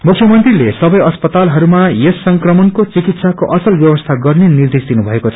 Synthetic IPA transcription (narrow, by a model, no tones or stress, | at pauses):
mukʰjʌmʌnt̪rilesʌbʌjʌspʌt̪alɦʌɾumajesːʌŋkrʌmʌnkot͡sikit̪sakoʔʌsʌlbjʌbʌst̪ʰaɡʌrnenird̪esd̪inubʱʌekot͡sʰʌ̥